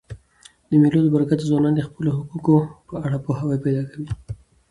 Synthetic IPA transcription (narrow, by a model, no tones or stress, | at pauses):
d̪əmelod̪əbaɾakat̪zwɑnɑnd̪əxpəlohukukopəaɽapoɦawajpajd̪ɑkawi